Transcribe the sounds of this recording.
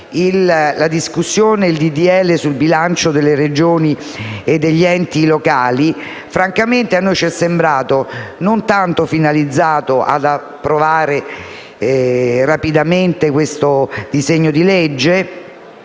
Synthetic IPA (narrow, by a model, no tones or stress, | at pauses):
ilːad̪iskusːjoːneild̪id̪iɛlːesulbilant͡ʃod̪elːeɾed͡ʒoːni | ed̪ːeʎːiɛnt̪ilokaːli | fɾaŋkament̪eanːojt͡ʃɛsːembɾaːt̪onont̪ant̪ofinalid̪zːaːt̪oʔa̰d̪a | pːɾovaːɾe | rapid̪ament̪ekwest̪od̪izeɲːod̪iled͡ʒːe